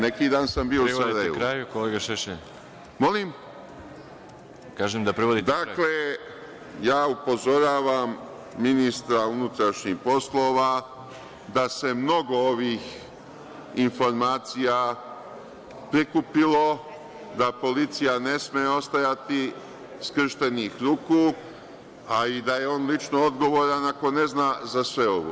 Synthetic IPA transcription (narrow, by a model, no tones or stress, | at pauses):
ne̞kiːd̪aːnsambiːoussaɾajeʋuɾaːjukoleɡaʃeʃe | mo̞lim | kaːʒemd̪apɾiʋod̪id̪akle̞ | jaːupo̞zo̞ɾaːʋamː | inist̪ɾaunut̪ɾaʃɲihpo̞slo̞ːʋa | d̪ase̞mno̞ɡo̞oʋix | info̞ɾmaːt̪sija | pɾikupilo̞ | d̪apo̞lit̪sijane̞smeo̞st̪ajat̪i | skr̩ʃt̪e̞nixɾuːku | aid̪aje̞o̞ːnlit͡ʃnood̪ɡo̞ʋo̞ːɾanako̞ne̞znazasʋe̞o̞ʋo̰